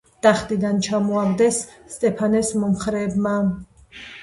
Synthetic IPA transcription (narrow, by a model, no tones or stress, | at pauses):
d̪̥aχd̪id̪ant͡ʃʰamɔaɡd̪ɛsːt̪ʼɛpʰanɛsmɔmχɾɛːbma